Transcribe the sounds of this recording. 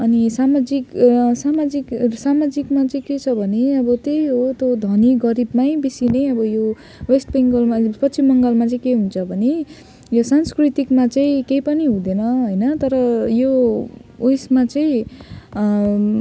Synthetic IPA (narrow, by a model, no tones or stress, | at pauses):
ʌnisamad͡ziksamad͡ziksamad͡zikmat͡sʌĩket͡sʰʌbʱʌneʌbʌt̪ejɦɦot̪jod̪ʱʌniɡʌɾibmajbisinejʌbʌjo | wesʈpeŋɡʌlmapʌt͡sʰimʌŋɡʌlmat͡sʌĩkeɦunt͡sʰʌbʱʌne | josanskrit̪ikmat͡sʌĩkejpʌniɦũd̪enʌɦojnʌt̪ʌɾʌjo | ujsmat͡sʌĩ